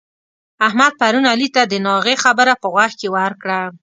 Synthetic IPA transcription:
ahmad̪̚paɾunalit̪ad̪ənɑɣexabəɾapəɣwaxkewəɾkɽa

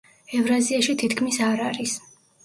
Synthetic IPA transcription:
ɛvɾaziaʃit̪ʰit̪ʰkʰmisaɾaɾis

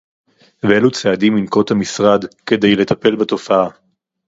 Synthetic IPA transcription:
veelut͡seadiminko̞t̪hamisʁad̪ke̞de̞jle̞t̪ape̞lbato̞faa

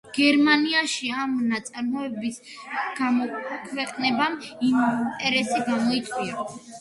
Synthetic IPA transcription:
ɡ̥ɛɾmaniaʃiamnat̪sʼaɾmɔɛbis | ɡamɔkʰwɛqʼnɛbamimt̪ʼɛɾɛsiɡamɔit̪sʼwia

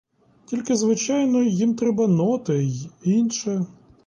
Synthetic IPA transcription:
tʲilʲkɪzʋɪt͡ʃajnɔjimt̪ɾɛbɐnɔt̪ɪinʃɛ

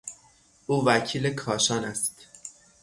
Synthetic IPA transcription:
ʔuːvæcʰiːlekʰɒːʃɒːnæst̪

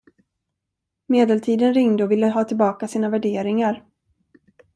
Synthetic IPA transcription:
meːd̪ɛlt̪ʰiːd̪ənɾɪŋd̪əɔvɪlːəɦɑːt̪ʰɪlbɑːkasiːnavæɖeːɾɪŋaɾ

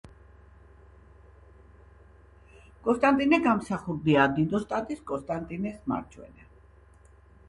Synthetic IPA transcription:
kʼɔnst̪ʼant̪ʼinɛɡamsaχuɾd̪iad̪id̪ɔst̪ʼat̪ʼiskʼɔst̪ʼant̪ʼinɛsma̰ɾt͡ʃʰwɛ̰nɛ

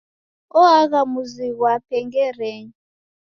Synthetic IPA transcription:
ɔaɣamuziɣwapʰɛŋɡɛrɛːɲi

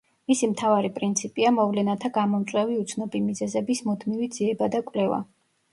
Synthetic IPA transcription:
misimt̪ʰavaɾipʼɾint̪sʰipʼiamɔvlɛnat̪ʰaɡamɔmt̪sʼwɛviut̪sʰnɔbimizɛzɛbismut̪ʰmivid̪ziɛbad̪akʼwlɛva̰

